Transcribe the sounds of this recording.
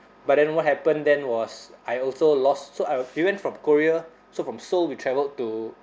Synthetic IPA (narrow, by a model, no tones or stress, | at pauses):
bat̚dɛ̃nwɔt̚hɛpə̃ndɛ̃nwɔsajɔlsolɔstsoawiwɛ̃ntfɹɔ̃mkoɹiə | sofɹɔ̃msolwitʰɹɛvəltu